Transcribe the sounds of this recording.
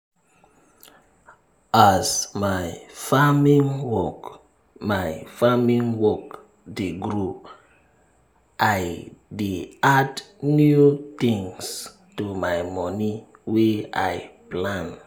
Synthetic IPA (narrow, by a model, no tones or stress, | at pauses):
asmajfamĩŋwɔk | majfamĩŋwɔk | deɡɾu | ʔajdeadnjut̪ĩŋs | tumajmɔni | wea̰jplãn